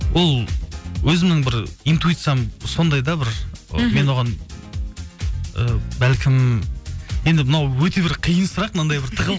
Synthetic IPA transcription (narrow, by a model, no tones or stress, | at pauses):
wʔo̞lˠwɵzɪmnɪŋbɪɾijnt̪uijt̪sɨjamso̞nd̪ɑjd̪ɑbɪɾ̰me̞nwo̞ʁɑn | əbælkʲʰɪm | je̞nd̪ɪmɪnɑwwɵt̪e̞bɪɾqʰijənsʊɾɑqnɑnd̪ɑjbɪɾt̪ʰəʁəlˠ